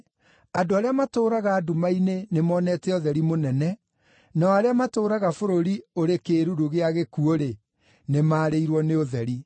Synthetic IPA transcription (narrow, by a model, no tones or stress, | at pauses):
adoaɾeamatoːɾaɣaːdumainenemɔːnɛtɛɔðɛɾimonɛnɛ | naɔaɾeamatoːɾaɣafoɾoɾioɾekeːɾuɾuɣeaɣekuoɾe | nemaːɾeiɾwɔneoðɛɾi